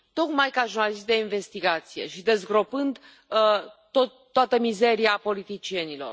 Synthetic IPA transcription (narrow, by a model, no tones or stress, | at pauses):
t̪o̞kmajkaʒurnalis̬t̪̚d̪e̞inve̞st̪iɡat̪sije̞̰ʃid̪e̞zɡɾo̞pɨnd̪ | t̪oː | oat̪əmize̞ɾiapo̞lit̪it͡ʃie̞nilo̞̰r